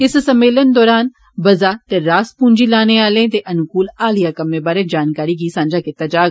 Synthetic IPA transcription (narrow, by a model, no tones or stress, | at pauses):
ɪssəmːeːlənd̪ɔːɾaːn | bɐzaːt̪eːɾaːspũːɲd͡ʒiːlaːneːaːlẽːt̪eːʔɐnkuːlaːlijaːkəmːeːbaːɾeːd͡ʒaːnkaːɾiːɡiːsãːɲd͡ʒaːkɪt̪aːd͡ʒaːɡ